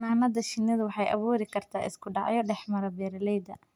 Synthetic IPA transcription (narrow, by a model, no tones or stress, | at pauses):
aːnɐðɐʃɪnːɐðɐwɑħɑjʔɐ̰βuːɾɪkʰɐrt̪ʰaːʔɪ̰skʰʊɖɑʕjɔɖɛħmɐɾɐbɛːɾɐlɛjd̪ɐ̰